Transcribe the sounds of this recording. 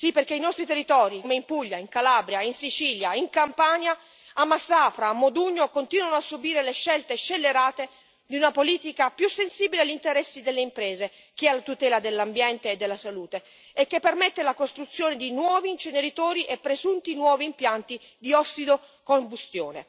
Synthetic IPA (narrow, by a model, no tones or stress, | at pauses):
sipːerk̟einɔst̪ɾit̪erːit̪ɔːɾimeimpuʎːaiŋkalaːbɾjainsit͡ʃiːljaiŋkampanja | amːasːaːfɾaːmːod̪uɲːokont̪iːnwanoasːubiːɾeleʃːɛlt̪eʃelːeɾaːt̪e | d̪iunapoliːt̪ikapjusːensiːbileaʎːint̪eɾɛsːid̪elːeimpɾeːze | k̟ialːat̪ut̪ɛːlad̪elːambjɛnt̪eːd̪ːelːasaluːt̪eː | kːepːermɛt̪ːelakost̪ɾut̪sːjoːned̪inwɔːviːnt͡ʃeneɾit̪oːɾiʔepːɾezunt̪inwɔːviːmpjant̪i | d̪iɔsːid̪o | kombust̪jo̰ːnḛ